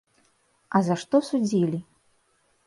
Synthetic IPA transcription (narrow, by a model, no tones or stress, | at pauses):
ɐzɐʂt̪ɔsud͡zʲilʲi